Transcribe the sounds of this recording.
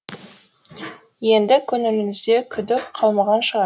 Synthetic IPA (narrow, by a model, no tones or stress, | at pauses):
je̞nd̪ɪkʲʰɵnɪlɪmɪzd̪e̞kʲʰʏd̪ɪk̚qʰɑlˠmɑʁɑnʃəʁɑ